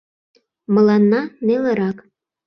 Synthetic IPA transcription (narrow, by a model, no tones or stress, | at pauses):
mɤ̆lɑnːɑnelĕɾɑk